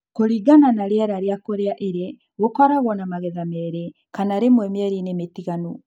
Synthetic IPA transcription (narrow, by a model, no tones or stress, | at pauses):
koɾiɡananaɾeɛɾaɾeakoɾeaʔeɾe | ɣokɔɾaɣɔnamaɣɛðamɛɾe | kanaɾemwɛmɛɾinemetiɣanu